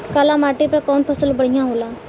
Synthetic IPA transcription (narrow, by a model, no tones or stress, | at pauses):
kaːlãmaːʈipəkɔːnpʰəsəlbəɽ̤ijãɦolaː